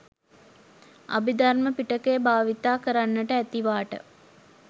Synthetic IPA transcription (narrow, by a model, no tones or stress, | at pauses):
ʔa̰bid̪arməpiʈəkejbaːʋit̪aːkəɾanːəʈəæt̪iʋaːʈə̰